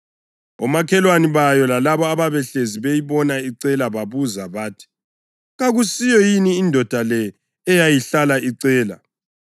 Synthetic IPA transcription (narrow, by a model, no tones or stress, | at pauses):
ɔmakʰɛlwaniβajɔlalaβɔaβaβɛɬeziβejiβɔnaiǀɛlaβaβuzaβaːtʰi̥ | ɣaɣusijɔjiniːndʱɔd̥ʱalɛː | jajiɬalaiǀɛːla̰